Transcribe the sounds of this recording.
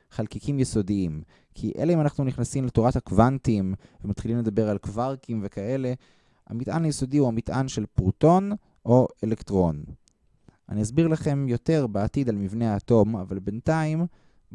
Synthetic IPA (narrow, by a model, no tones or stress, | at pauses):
χalkikʰimjeso̞diim | kʰiʔe̞̰leimanaχnuniχnasimletoʁathakvantim | vemat̪χilimle̞d̪abe̞ʁalkvaʁkimve̞kae̞le̞ | ha̰mitʔa̰najeso̞dihuhamitʔanʃe̞lpʁto̞n | ʔo̞elektʁo̞n | ʔa̰niasbiʁlaχe̞mjo̞te̞ʁbeatid̪almivnehaːto̞mavalbe̞ntaim